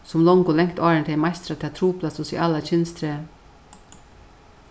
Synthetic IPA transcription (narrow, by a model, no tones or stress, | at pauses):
sɔmlɔŋɡʊlɛŋkt̪ɑːɹəɳt̪ʰɛmɑɪst̪ɾɑt̪ʰɑːt̪ʰɾuːpʰlɑsʊsḭːʔɑlɑçʏnst̪ʰɾeː